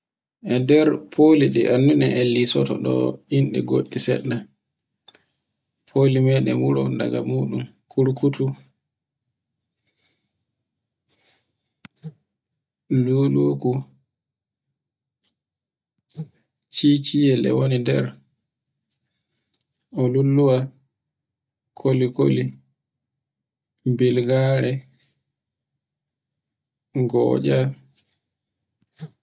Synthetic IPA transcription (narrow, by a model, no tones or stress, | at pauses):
ʔɛdɛɾpʰoliɗɛʔanːunɛʔɛlːisɔtɔ̰ɗɔ̰inɗɛɡo̰ɗːisɛ̰ɗːa | pʰolimɛɗɛmuɾɔndaɡamuːɗumkʰuɾkutu | luloːku | t͡ʃit͡ʃijɛlɛ̰wonidɛ̰ɾ | ɔlulːuwa | kʰoliko̰li | bilɡaːɾɛ | ɡɔ̰ːɟa